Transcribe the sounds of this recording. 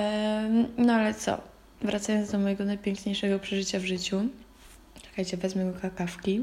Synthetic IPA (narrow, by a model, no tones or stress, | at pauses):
nɔalɛt̪sɔ̰ | vɾʔat̪sajɔnd̪ɔmɔjɛɡɔnajpʲjɛŋkɲejʂɛɡɔpʂɛʐɘt͡ɕavʐɘt͡ɕu | t͡ʂɛ̥kajt͡ɕɛbɛzmɛɡɔkakafkʲi